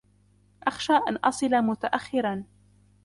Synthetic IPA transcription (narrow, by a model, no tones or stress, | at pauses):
ʔaxʃaːʔa̰nʔɑsˤɨlamʊt̪aʔaxːɪɾan